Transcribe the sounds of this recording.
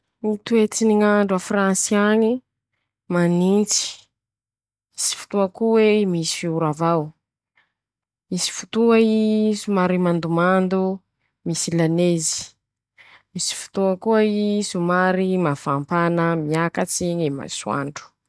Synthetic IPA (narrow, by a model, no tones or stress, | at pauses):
mit̪uet͡siniŋaɳɖ͡ʐafransiaɲi | manint͡si̥ | misi̥fu̥t̪uakuwemisi̥fiuɾavaw | misi̥fu̥t̪uaisumaɾimand̪umand̪u | misilanezi̥ | misi̥fu̥t̪uakuaisumaɾimafampanəmiakat͡siɲima̰sua̰ɳɖ͡ʐu̥